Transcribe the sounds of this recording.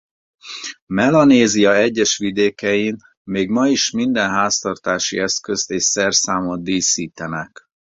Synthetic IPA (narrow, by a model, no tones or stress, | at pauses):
mɛlɒneːzijɒɛɟːɛʃʋid̪eːkɛjin | meːɡmɒiʃmind̪ɛnɦaːst̪ɒrt̪aːʃḭɛskø̞st̪eːʃsɛrsaːmoiːsiːt̪ɛnɛk